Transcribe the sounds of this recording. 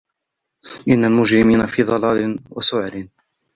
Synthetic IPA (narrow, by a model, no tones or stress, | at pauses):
ʔɪnːalmʊd͡ʒɾɪmiːnafiːðˤɑlɑːlɪnwasʊʕɾɪn